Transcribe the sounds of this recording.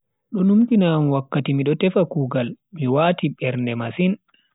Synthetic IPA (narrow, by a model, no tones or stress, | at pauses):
ɗɔnumkinamwakːatimiɗɔtɛfakuːɡalmiwaːtiɓɛɾndɛmasin